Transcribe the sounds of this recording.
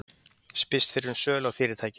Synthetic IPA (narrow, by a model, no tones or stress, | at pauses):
spɪst̪fɪɾɪɾʏnsœːlaɣfiːɾɪɾt̪ʰaːjcɪ